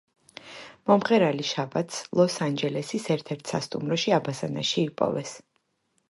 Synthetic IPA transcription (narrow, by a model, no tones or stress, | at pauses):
mɔmχɛɾaliʃabat̪ʰslˠɔsand͡ʒɛlɛsisɛɾt̪ʰɛɾt̪ʰsast̪ʼumɾɔʃiabazana̰ʃiːpʼɔ̰vɛs